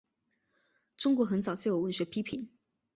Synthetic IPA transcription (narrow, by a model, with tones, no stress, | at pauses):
ʈ͡ʂʊ˥ŋkwɔ˧˥xə˧˥nt͡sɑ˨˩ʊt͡ɕʰjo˨˩ʊwə˥˩nɕɥɛ˧˥pʰi˥pʰi˨˥˦n